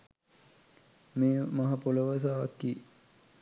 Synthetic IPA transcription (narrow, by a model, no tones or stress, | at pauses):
meːmaɦapoləʋas̬aːʋakːiː